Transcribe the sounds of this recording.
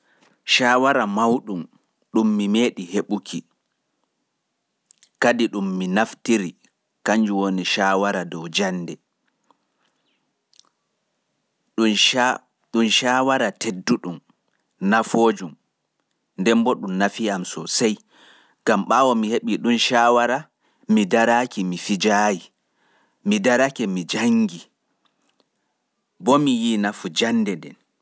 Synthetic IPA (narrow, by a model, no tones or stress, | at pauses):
ʃaːwaɾamawɗum | ɗumːimeːɗiheɓukʰi | kadiɗumːinaftiɾi | kaɲd͡ʒuwoniʃaːwaɾadɔwd͡ʒanːdɛ | ɗunʃaːwaɾatʰedːuɗum | nafod͡ʒum | ndɛmbɔɗumnafiamsɔsaj | ɡ̥amɓawɔmiheɓiɗunʃaːwaɾa | midaɾakimifid͡ʒaji | midaɾakɛmid͡ʒaŋɡi | bɔmijinafud͡ʒanːdɛndɛ̰n